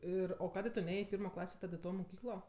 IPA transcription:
ˈɪr oː ˈkɑːdʲeː tʊ ˈnʲeːjeː ɪ ˈpʲɪrmoː ˈklˠɑːsʲeː ˈtɐt ɪ ˈtoː moːˈkʲiːklˠoː

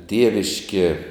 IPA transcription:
ˈtʲiɛʋʲɪʃʲkʲiɛ

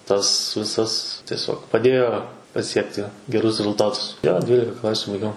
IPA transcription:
tɐs ˈʋʲɪsɐs tʲiɛˈsʲoːk pɐˈdʲeːjoː pɐˈsʲiɛktʲɪ ɡʲɛˈrʊs rʲɛzʊlˠˈtɑːtʊs joː ˈdʲʋʲiːlʲɪkɐ ˈklˠɑːsʲʊ bɐɪˈɡʲɛʊ

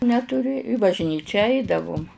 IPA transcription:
nʲɛtʊˈrʲɪ ɪ bɐʒʲˈnʲiːt͡ʃʲɛ ˈɐɪdɐʋʊm

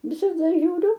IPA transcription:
ʋʲɪsɐˈdɐ ʒʲuːˈrʲʊ

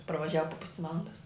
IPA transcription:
pɐrʋɐˈʒʲæːʋɐ poː ˈpʊsʲɪ ˈʋɑːlˠɐndɐs

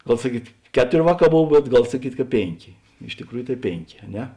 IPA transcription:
ˈɡɐlˠ sɐˈkʲiːt ˈkʲæːˌtoːrʲ ˈʋɑːˌkɑː ˈboːw bʲɛt ˈɡɐlˠ sɐˈkʲiːtʲ kɐ ˈpʲeːŋʲˌkʲeː ɪʃ tʲɪkˈruːjʊ tɐɪ ˈpʲeːŋʲˌkʲeː ɐ ˈnʲɛ

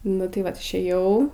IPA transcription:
nʊ tɐɪ ˈʋɐt ɪʃʲˈeːjɛʊ

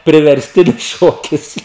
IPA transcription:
pʲrʲɪʋʲɛrʲsʲˈtʲɪnʲɪs ˈʃoːkʲɪs

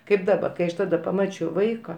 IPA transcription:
kɐɪp ˈdɑːbɐ kɐɪ ˈɐʃ ˈtɑːdɐ pɐˈmɑːt͡ʃʲɛʊ ˈʋɐɪkɐ

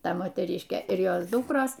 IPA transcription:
ˈtɐ moːtʲɛˈrʲiːʃʲkʲeː ɪr ˈjoːs ˈdʊkroːs

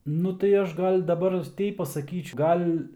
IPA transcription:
ˈnʊ tɐɪ ˈɐʃ ˈɡɐlʲ dɐˈbɐr ˈtʲɛɪp pɐsɐˈkʲiːt͡ʃ ˈɡɐlʲ

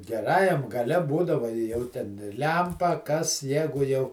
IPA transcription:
ɡʲɛˈrɑːjɛm ɡɐˈlʲɛ ˈbuːdɐʋɐ ɪ ˈjɛʊ tʲɛn ˈlʲɛmpɐ kɐs ˈjæːɡʊ jɛʊ

